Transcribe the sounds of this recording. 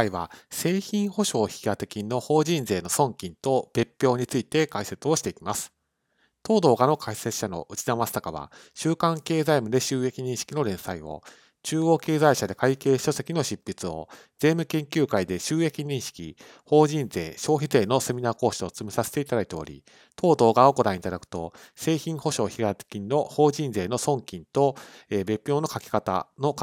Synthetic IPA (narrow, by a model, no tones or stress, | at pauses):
aiβa̰se̞ːçĩɰ̃ho̞ɕo̞ːçiɡat̪e̞kʲinːo̞ho̞ːʑĩnd͡ze̞ːno̞sõ̞ŋkʲĩnt̪o̞b̥e̞pʲːjo̞ːɲ̟it͡sɨit̪e̞kaise̞t͡sɨo̞ɕi̥t̪e̞ikʲimasɨ̥ | t̪o̞ːd̪o̞ːɡano̞kʰaiset͡sɨ̥ɕano̞̰ʔɯ̟t͡ɕinamasɨ̥t̪akaβa̰ɕɨːkãŋke̞ːzaimɯ̟d̪e̞ɕɨːe̞kʲiɲ̟ĩɰ̃ɕi̥kʲino̞ɾẽ̞saio̞̰ | t͡ɕɨːo̞ːke̞ːzaiɕad̪e̞kaike̞ːɕo̞se̞kʲino̞ɕipʲːit͡sɨo̞̰ | d͡zẽ̞mɯ̟kẽ̞ŋkʲɨːkaid̪e̞ɕɨːe̞kʲiɲ̟ĩɰ̃ɕi̥kʲḭ | ho̞ːʑĩnd͡ze̞̰ːɕo̞ːçize̞ːno̞se̞mʲinaːko̞ːɕio̞t͡sɨmisaset̪e̞it̪ad̪ait̪eo̞̰ɾʲḭ | t̪ʰo̞ːd̪o̞ːɡaoko̞d̪ɾãɰit̪ad̪akɯ̟̥t̪o̞se̞ːçĩɰ̃ho̞ɕo̞ːçiɡat̪kʲĩnːo̞ho̞ːʑĩnze̞ːno̞sõ̞ŋkʲĩnt̪o̞eːbe̞pʲjo̞ːno̞kakʲi̥kat̪a̰no̞k